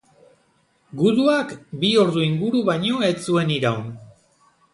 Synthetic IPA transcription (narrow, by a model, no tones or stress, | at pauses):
ɡuðuakbio̞ɾðuiŋɡuɾuβajɲo̞et͡sue̞niɾawn